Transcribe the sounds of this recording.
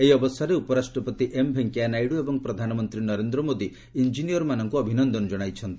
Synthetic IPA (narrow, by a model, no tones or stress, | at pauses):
eiɔbɔst̪ʰaɾeupɔɾasʈɾɔpɔt̪iʔembʱeŋkjanajɽuebɔŋpɾɔd̪ʱanɔmɔnt̪ɾinɔɾend̪ɾɔmod̪i | ind͡ʒinijɔɾɔmanɔŋkuɔbʱinɔnd̪ɔnɔd͡ʒɔɽ̃ajt͡ʃʰɔnt̪i̥